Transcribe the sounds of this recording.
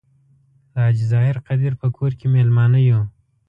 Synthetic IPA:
lɑːd͡ʒzɑːɪɾqad̪iɾpəkʰoɾkemelmɑːnəjo

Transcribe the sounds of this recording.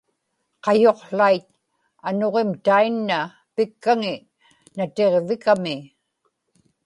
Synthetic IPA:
qɑjo̞qlajt̪̚ | ano̞ʁemt̪ainːa | pɪkːaŋɪ | nat̪e̞ʁvɪkamɪ

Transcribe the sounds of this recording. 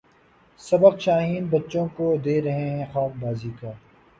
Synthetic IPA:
sɐbəqʃaːɦiːnbɐtːʃõkod̪eːɾɐɦeɦɛ̃xaːfbaːziːkaː

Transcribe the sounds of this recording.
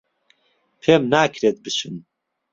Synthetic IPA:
pʰeːmnaːkʰɾeːt̪̚bɨʃɨn

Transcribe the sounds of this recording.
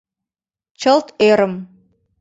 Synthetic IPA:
t͡ɕəlt̪eɾəm

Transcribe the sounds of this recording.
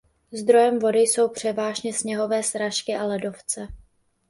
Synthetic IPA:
zd̪ɾo̞jɛmvo̞dɪjso̞wpr̝̥ɛvaːʒɲɛsɲɛɦo̞vɛːsɾaʃkɪʔalɛdo̞ft͡sɛ

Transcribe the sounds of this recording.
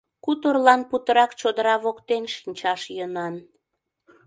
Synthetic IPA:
kut̪orlɑnput̪əɾɑkt͡ɕod̪əɾɑβokt̪enʃinʲt͡ɕɑʃjənɑn

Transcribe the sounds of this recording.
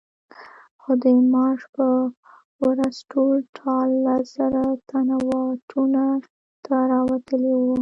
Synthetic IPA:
xod̪əmɑʂpə | ɾasʈʰolʈʰɑlːaz̥aɾat̪anawɑʈʰuna | t̪aɾɑwat̪əliwu

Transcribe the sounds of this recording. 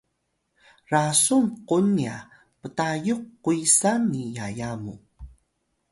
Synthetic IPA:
rasumqunia | pətajuqːuisanːijajamu

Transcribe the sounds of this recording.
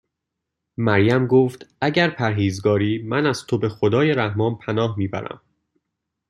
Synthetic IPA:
mæɾjæmɡoːft̪ʔæɟæɾpʰæɾɦiːzɡɒːɾiːmænæz̥t̪ʰo̞be̞xod̪ɒːjeɾæhmɒːnpʰænɒːhmiːbæ̰ɾæ̰m

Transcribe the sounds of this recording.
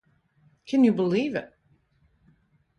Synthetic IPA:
kʰɨ̃njɨbəlivɪt̚

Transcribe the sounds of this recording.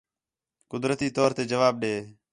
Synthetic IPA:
kʊd̪ɾət̪iːt̪oːɾt̪eːd͡ʒəʋaːb̚ɗeː

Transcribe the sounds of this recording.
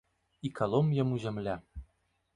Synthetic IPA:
ikʰɑlˠomjɤ̆muʑɘ̆mlʲæ

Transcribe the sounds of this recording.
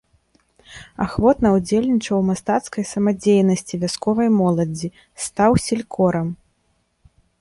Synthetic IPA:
a̰xvɔt̪nɐwd͡zʲelʲnʲit͡ʂɐwmast̪at̪skɐjsɐmad͡zʲejnɐsʲt͡sʲivʲaskɔvɐjmɔlˠɐd͡zʲi | st̪awsʲilʲkʰɔɾɐm

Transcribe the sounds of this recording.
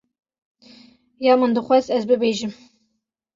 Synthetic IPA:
jɑːmɨnd̪ɨxʷɛzɛzbɨbeːʒɨm

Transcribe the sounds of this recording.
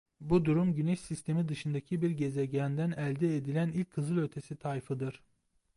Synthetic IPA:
bud̪uɾumɟyneʃsist̪ʰe̞mid̪ɯʃɯnd̪acʰibiɾɟe̞zeɟænd̪ænælʲd̪ɛed̪ilʲænilʲc̚kʰːɯzɯlˠø̞t̪ʰe̞sit̪ʰajfɯd̪ɯɾ̥

